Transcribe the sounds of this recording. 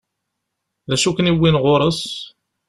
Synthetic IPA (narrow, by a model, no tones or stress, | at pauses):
ðæʃukəniwːinʁoɾˤos